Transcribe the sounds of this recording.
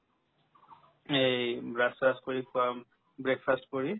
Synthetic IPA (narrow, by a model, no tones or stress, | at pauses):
ejbɹasastkoɹikʊam | bɹekfʰastkɔɹi